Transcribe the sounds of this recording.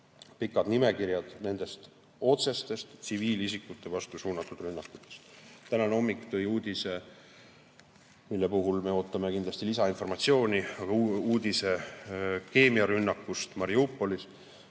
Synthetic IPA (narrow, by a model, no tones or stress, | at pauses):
pikːˑɑd̪nime̞kirjɑd̪̥ne̞nd̪̥e̞st̪ | o̞t̪se̞st̪e̞st̪siviːlisikːˑut̪ːˑe̞vɑst̪usuːnɑt̪ːˑud̪rynːɑkːˑu̥t̪ːˑe̥st̪ːænɑno̞mːikˑt̪ɤjuːd̪ise̞ | milːe̞puɦulme̞o̞ːt̪ːˑɑmekind̪lɑst̪ilisɑinfo̞rmɑt̪sio̞ːniɑɡ̥ɑuːd̪̥ʲise̞ | ke̞ːmiɑɾynːɑkːust̪mɑɾiupːˑo̞lis